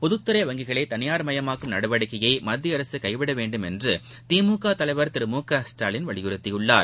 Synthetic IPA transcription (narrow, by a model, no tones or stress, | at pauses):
pɔðɯt̪ːɯɾɐjʋɐŋɡɪɣɐɭɐɪt̪ɐnɪjaːɾmɐjɐmaːkːɯmnɐɽɯʋɐɽɪkːɐjɐɪmɐd̪ːiɐɾɐsɯkɐɪʋɪɽɐʋeːɳɖɯmɛndrɯ | t̪iːmuːkaːt̪ɐlɐɪʋɐɾt̪ɪɾɯmuːkaːsʈaːlɪnʋɐɭɪjɯɾɯt̪ːɪjɯɭːaːɾ